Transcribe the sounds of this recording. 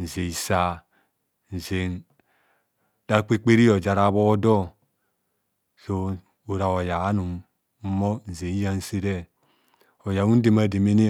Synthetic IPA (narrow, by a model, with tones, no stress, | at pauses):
n̩˨ze˨i˨sa˨ | n̩˨ze˨n | d̥a˦k͡pe˦k͡pe˦ɾi˦o˨d͡ʒa˨ɾa˦βo˦dɔ˦ | so˨ | o˨ɾa˨o˨ja˨˦nu˨m | m̩˦mo˦n̩˨ze˨˦ja˦n̩˦se˦ɾɛ˦ | o˨ja˨u˦de˨ma˨de˨me˦ne˦